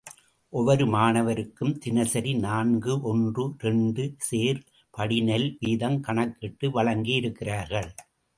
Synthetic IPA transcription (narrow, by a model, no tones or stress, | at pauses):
ʔɔʋɐɾɯmaːnɐʋɐɾɯkːɯmt̪ɪnɐsɐɾinaːnɡɯʔɔndrɯɾɛɳɖɯseːɾ | pɐɽɪnɛlʋiːðɐmkɐɳɐkːɪʈːɯʋɐɭɐŋɡijɪɾɯkːɪraːɾɣɐɭ